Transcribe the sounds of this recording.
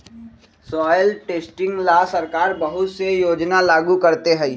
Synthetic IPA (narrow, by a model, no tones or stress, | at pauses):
sɔːjəlʈeːsʈɪ̃ŋɡlaːsɐɾkaːɾbɐɦʊt̪sejoːd͡ʒnalaːɡukɐɾt̪eɦɛ